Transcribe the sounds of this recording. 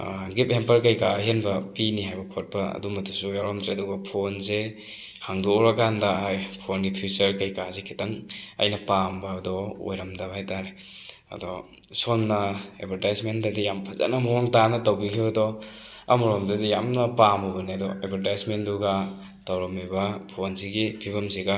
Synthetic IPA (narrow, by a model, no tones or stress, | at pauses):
ɡip̚hempɐɾkɐjkaɦenbɐpiniɦajbɐkʰɔt̚pɐɐ̰dumɐtusujawɾɔmtɾeɐdɔɡapʰonzehaŋduɾakandaajpʰonɡipʰjut͡ʃɐɾkajkazekʰitaŋɐ̰jnɐpambɐːdɔo̰jɾamdabajtaɾeɐ̰dɔsɔnnɐḛbʰʱaɾtajsmendadijampʰaza̰namɔɔŋtanɐtawbikʰibadɔa̰mɔɾɔmdadijamnɐpamɔbɐniɐdɔebʰʱaɾtajsmenduɡa | tawɾɐmibapʰonziɡipʰibɐmziɡa